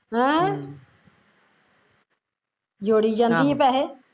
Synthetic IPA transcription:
ɦɛ̃ | d͡ʒoːɽid͡ʒãːnd̪iːɦeːpɛːɦe

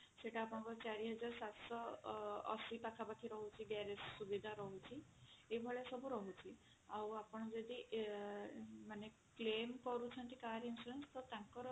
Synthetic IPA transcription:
seʈaːpɔɽ̃ɔ̃kɔɾt͡ʃaɾiɦɔd͡ʒaɾsat̪sɔɔ̰sipakʰapakʰiɾɔɦut͡ʃʰiɡaɾessubid̪ʱaɾɔɦut͡ʃʰiebʱɔɭesɔbuɾɔɦut͡ʃʰi | awapɔɽ̃ɔd͡ʒed̪i | mane | klemkɔɾut͡ʃʰɔɳt̪ikaɾinsuɾenst̪ɔt̪ãŋkɔɾɔ

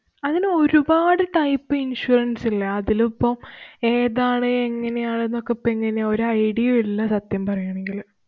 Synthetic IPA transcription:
ɐðinɨo̞ɾubaːɽɨʈɐjpːɨinʂuːrɐnsilːɐɐðilupːɐme̞ːðaːɳɨeŋːɐne̞jaːɳenːokːepːeŋːɐne̞o̞ɾuɐjɽijɐilːɐsɐt̪jɐmpɐrɐjaːɳe̞ŋɡil

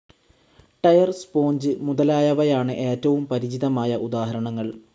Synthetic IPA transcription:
ʈɐjɐrspo̞ːɲd͡ʑɨmuðɐlaːjɐʋɐjaːɳɨʔe̞ːtːɐʋumpɐɾid͡ʑiðɐmaːjɐʔud̪aːɦɐɾɐɳɐŋːɐɭ

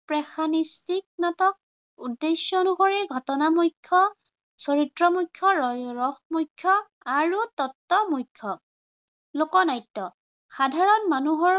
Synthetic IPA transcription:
pɹɛxʰanistik̚natɔk̚ | udːesjɔnuɦoɹiɡʱɔtɔnamujkʰːɔ | sɔɹitɹɔmujkʰːɔɹɔjɹɔxmujkʰːɔ | aɹutɔtːɔmujkʰːɔ | lokɔnajtːɔ | xadʱaɹɔnmanuɦɔ

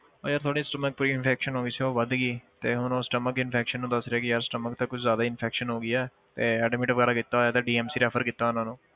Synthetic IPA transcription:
oːɾjaːɾt̪ʰoaːɽiːsʈəmək̚puːɾiːɪnpʰɛːkʃənɦoːɡiːsiːoːʋəd̪ɡiːt̪eːɦʊnõːsʈəməkɪnpʰɛːkʃənːũːd̪əsɾeɛːkɪɾsʈəmək̚t̪əkːʊt͡ʃʰzjaːd̪aːɪnpʰɛːkʃənɦoːɡiːɛː | t̪eːɛːɖɪmeːʈɪbɡəːɾaːkɪt̪ːaːɦoːjaːt̪eːɖiːɛːmsiːɾɛːpʰəɾkɪt̪ːaːʊnãːnũː

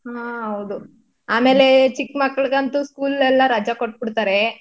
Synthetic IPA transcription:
ɦãːɦɐwd̪u | aːme̞ːle̞t͡ʃikːmɐkːɐɭɡɐnt̪uskuːlɛlːɐɾɐd͡ʒakoʈ̚ːbiɽt̪aːɾe

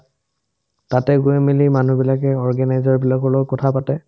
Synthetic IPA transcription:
tatɛɡuɛmilimanubilak̬ɛɔɹɡanajzɔɹbilakɔlɔkɔtʰapatɛ

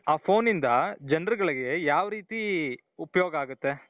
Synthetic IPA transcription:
aːpʰo̞ːnind̪ɐd͡ʒɛnɾɡɐɭiɡe̞jaːʋɾiːt̪i | upɐjoːɡɐaːɡut̪ːe̞

